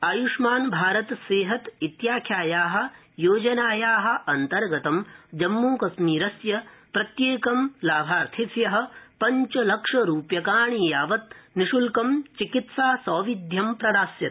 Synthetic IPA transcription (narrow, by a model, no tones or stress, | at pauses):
aːjuʂmaːnbʱaːɾɐt̪seːɦɐt̪it̪jaːkʰjaːjaːɦɐ̆ | joːd͡ʒɐnaːjaːɦɐ̆ʔɐnt̪ɐɾɡɐt̪ɐmd͡ʒɐmːuːkɐsmiːɾɐsjɐpɾɐt̪jeːkɐmlaːbʱaːɾt̪ʰisjɐɦɐ̆pɐɲt͡ʃɐlɐkʂɐɾuːpjɐkaːɳiːjaːʋɐt̪̚niʃulkɐmt͡ʃikit̪saːsɔːʋid̪ʱjɐmpɾɐd̪aːsjɐt̪̚